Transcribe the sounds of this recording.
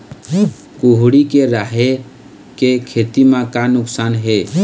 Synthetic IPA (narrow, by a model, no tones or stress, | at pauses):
kuɦɽikeɾaɦe | kekʰet̪imãkanʊksanɦe